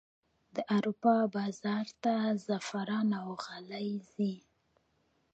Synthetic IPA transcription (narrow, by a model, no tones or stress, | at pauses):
d̪əʔaɾupɑbɑzɑɾt̪azafaɾɑnawɣalajzi